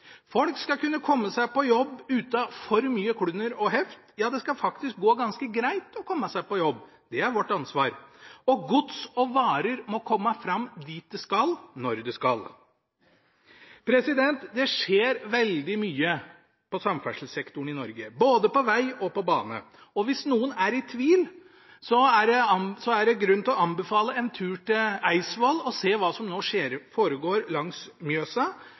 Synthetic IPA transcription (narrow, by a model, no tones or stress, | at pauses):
fɔlkskɑkʉnːəkʰɔmːəsæɪpɔjɔbːʉːt̪ɑfɔɾmyːəkʰɽʉnːəɾɔɦɛft̪jɑːd̪ɛskɑfɑkt̪ɪsk̚ɡoːɡɑnskəɡɾæɪt̪ɔkʰɔmːəsæɪpɔjɔbː | d̪̥ɛæɾʋɔʈːɑnsʋɑːɾɔɡʊt̪sɔʋɑːɾəɾmɔkʰɔmːəfɾɑmːd̪iːt̪̚d̪ɛskɑlnɔɾd̪ɛskɑl | pʰɾɛsɪd̪ɛnt̪d̪ɛʂeːɾʋɛld̪ɪmyːə | pɔsɑmfæʂl̩sɛkt̪ʊɳɪnɔɾɡəboːd̪əpɔʋæɪɔpɔbɑːnə̰ | ɔʋɪsnuːənæɾɪt̪ʰʋiːl | sɔæɖɛɑsɔæɖɛɡɾʉnːt̪lɔɑnbɛfɑːləɛnt̪ʰʉːʈɪæɪsʋoːlɔseːʋɑːsɔmnoːʂeːɾfoːɾəɡoːɾlɑŋsmjøːsɑ